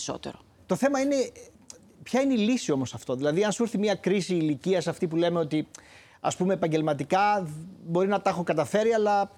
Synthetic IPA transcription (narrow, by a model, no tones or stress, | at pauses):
so̰t̪ḛɾo | t̪o̞θe̞mɐine̞ | pçɐineilisio̞mo̞sɐft̪o̞ðilɐðiɐnsuɾθimiɐkɾisiːliciɐsɐft̪ipule̞me̞o̞t̪i | ɐ̰spumeːpɐɲɟe̞lmɐt̪ikɐbo̞ɾinɐt̪ɐxo̞kɐt̪ɐfe̞ɾiɐlɐ